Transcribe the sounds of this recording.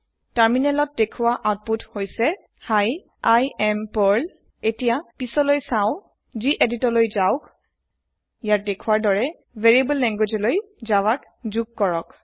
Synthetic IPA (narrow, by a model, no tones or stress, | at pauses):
taɹminɛlɔt̚dekʰʊwaʔaʊt̚puthojsɛ | haj | ajɛmpɔɹl | etijapisɔlojsãʊ̃ | ziʔeditɔɹlojzaʊk | jat̚dekʰʊwaɹdɔɹɛ | vʱeɹibəlːɛŋɡwed͡ʒɔloj | zawak | zuɡ̚kɔɹɔk